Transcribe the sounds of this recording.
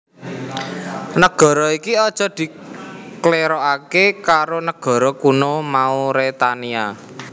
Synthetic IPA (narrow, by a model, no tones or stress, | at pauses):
nəɡ̥ɔ̤ɾɔikiɔd̥ʒ̥ɔ̤d̪̥i̤kleɾɔakekaɾonəɡ̥ɔ̤ɾɔkunomauɾet̪ania